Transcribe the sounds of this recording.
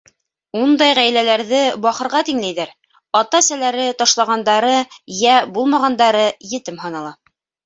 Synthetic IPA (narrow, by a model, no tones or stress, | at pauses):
und̪ɑjʁæjlælæɾðɘbɑχɤ̆ɾʁɑt̪iŋlæjðæɾ | ɑt̪ɑsælæɾɘt̪ɑʃlˠɑʁɑnd̪ɑɾɤjæbulˠmɑʁɑnd̪ɑɾɤjɘ̆t̪ɘmhɑnɑlˠɑ